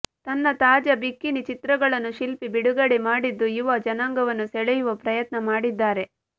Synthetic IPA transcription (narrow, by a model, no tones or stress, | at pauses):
t̪ɐnːɐt̪aːd͡ʒɐbikːinit͡ʃit̪ɾɐɡɐɭɐnːuʃilpibiɽuɡɐɽemaːɽid̪ːuiʋɐd͡ʒɐnaːŋɡɐʋɐnːusɛɭɛjuʋɐpɾɐjɐt̪nɐmaːɽid̪ːaːɾe̞